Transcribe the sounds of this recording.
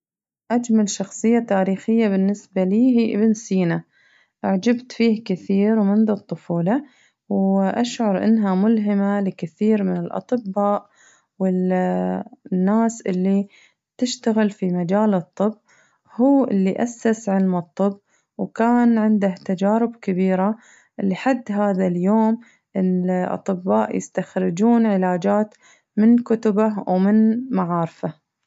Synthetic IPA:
ʔad͡ʒmalʃɑxsˤɨjːat̪aːɾiːxɪjːabɪnːɪsbaliːɦiːʔɪbnsiːna | ʔʕd͡ʒabt̪fiːhkɪθiːɾwmʊnd̪ʊt̪ˤːʊfuːla | wʔaʃʕʊɾˤʔɪ̰nːɦamʊlɦɪmalɪkɪθiːɾmɪnɪlʔɑ̰t̪ˤɨbːaːʔ | wɪ | nːaːsʔɪlːi | t̪ɪʃt̪aɣɪlfimad͡ʒaːlɨt̪ˤːɨbː | huːʔɪ̰lːiʔasːasʕɪlmɨt̪ˤːɨbː | wkaːnʕɪnd̪aht̪ad͡ʒaːɾɪbkɪbiːɾa | ʔɪlːiħad̪ːɦaːðaljoːm | ɪʔɑ̰t̪ˤɨbːaːʔjɪ̰st̪axɾɪd͡ʒuːnʕɪlaːd͡ʒaːt̪ | mɪnkʊt̪ʊbawmɪnmaʕɑːɾfa

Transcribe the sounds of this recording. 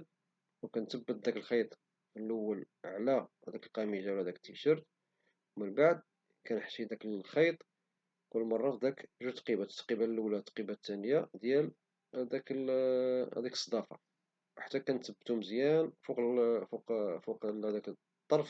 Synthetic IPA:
wkænt̪əbːət̪̚d̪ækəlxijt̪ˤ | fəlʔəwːəl | ʕlæhæd̪ækəlqæmiʒawlæhæd̪ækə̥t̪ːiʃəɾt̪ | mənbaʕd̪̚ | kænħt̪id̪ækəlxɑjt̪ˤ | kʊlːmɑrˤːɑt̪d̪ækʒut̪qibæqibæləlʔulæt̪qibæt̪ːænəjad̪jæl | d̪ækə | æ̰d̪ækə̥sˤːɑd̪ˤɑfɑ̰ | wħḁt̪ːækænt̪əbːt̪uməzjænfuqfuqfuqæd̪ækə | t̪ˤːɑɾˤf

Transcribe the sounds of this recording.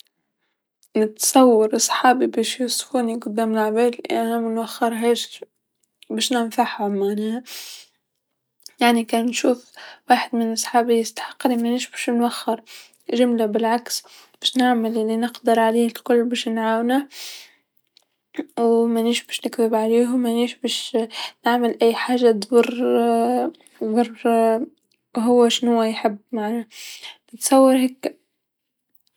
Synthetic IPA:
nɪt̪sˤɑwːɑɾʔɑsˤħɑːbibeːʃjʊsˤfuːniɡʊd̪ːaːmɪlʕbel̰ʔanamɪnwaxːɪɾˤɦaːʃ | beːʃnɪnfaħhamana | jaʕnikanʃuːfwaːħɪd̪mɪnʔɑsˤħɑːbijɪst̪ḁħɑ̥qːnimaniːʃbʃnwaxːɪɾ | ʒɪmlabɪlʕaks | b̥aʃnɪʕmallːinɪqd̪ɪɾˤʕaleːhɪlkʊlːbaːʃnʕaːwna | wmaniːʃbaːʃnɪkt̪ɪbʕaleːɦʊmaniːʃbaʃnɪʕmɪlʔæjːħaːʒːad̪wʊrˤ | bɑr | ɦʊwːaʃɪnhʊwːajħɪbːmaʕnanɪt̪sˤɑwːɑɾˤhakːa

